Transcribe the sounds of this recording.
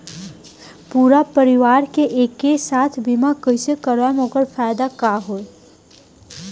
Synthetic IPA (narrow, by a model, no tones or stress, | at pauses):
puːɾapəɾɪʋaːɾkeʔeːkːesaːt̪ʰbimakəɪsekəɾʋamõːkəɾfaːjd̪akaɦoːe